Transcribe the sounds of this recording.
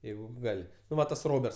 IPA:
ˈjɛɪɡʊ ˈɡɐlʲ nʊ ˈʋɐ tɐs ˈroːbʲɛrts

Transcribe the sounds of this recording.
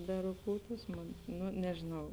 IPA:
bʲɛrʊˈkuːtuːs ˈmoːn ˈnʊ nʲɛʒʲeːˈnɐʊ

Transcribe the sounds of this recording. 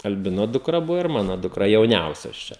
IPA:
ɐlʲˈbʲɪnoː dʊkˈrɐ ˈbʊʋoː ɪr ˈmɑːnoː dʊkˈrɐ jɛʊˈnʲɛʊsʲoːs ˈt͡ʃʲɛ

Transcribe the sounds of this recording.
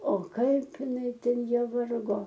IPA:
oː ˈkɐɪp ɪˈnɐɪ ˈtʲɛn ˈjiɛ ˈʋɐrɡoː

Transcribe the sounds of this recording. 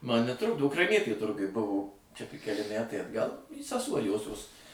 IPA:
ˈmɐn nʲɛˈtrʊɡdoː ʊkrɐɪˈnʲiɛtʲeː ˈtʊrɡʊj ˈbʊʋoː t͡ʃʲɛ tʲɪk kʲɛˈlʲɪ ˈmʲætɐɪ ɐdˈɡɐlˠ sʲɛˈsuɔ ˈjoːsʲoːs

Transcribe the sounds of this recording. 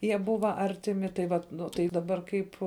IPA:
ˈjiɛ ˈbʊʋɐ ˈɐrʲtʲɪˌmʲɪ tɐɪ ˈʋɐt ˈnʊ tɐɪ dɐˈbɐr ˈkɐɪp

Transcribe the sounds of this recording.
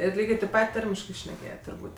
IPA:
ɪr ˈlʲiːɡʲeː tʲɛɪp ˈpɐtʲ ˈtɐrʲmʲɪʃkɜ ʃʲnʲɛˈkʲeːjɛtʲ tʊrˈbuːtʲ

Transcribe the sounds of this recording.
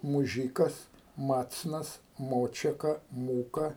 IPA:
mʊˈʒʲiːkɐs ˈmɑːt͡snɐs ˈmoːt͡ʃʲɛkɐ ˈmuːkɐ

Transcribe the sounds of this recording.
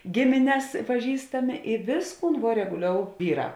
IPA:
ˈɡʲɪmʲɪnʲɛs pɐˈʒʲiːstɐmʲɪ ɪ ˈʋʲeːsˌkuːn ʋuɔ rʲɛɡʊˈlʲoːʊ ˈʋʲiːˌrɑː

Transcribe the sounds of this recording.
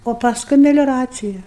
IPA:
oː pɐsˈkʊɪ mʲɛlʲoːˈrɑːt͡sʲɪjɛ

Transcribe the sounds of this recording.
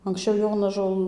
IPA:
ɐŋksʲˈt͡ʃʲɛʊ ˈjoːnɐʒoːlˠ

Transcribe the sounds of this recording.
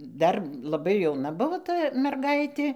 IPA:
ˈdɐr lˠɐˈbɐɪ jɛʊˈnɐ ˈbʊʋoː ˈtɐ mʲɛrˈɡɐɪtʲeː

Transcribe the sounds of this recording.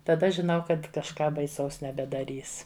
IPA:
tɐˈdɐ ʒʲɪˈnɐʊ ˈkɐt kɐʃˈkɑː bɐɪˈsɐʊs nʲɛbʲɛdɐˈrʲiːs

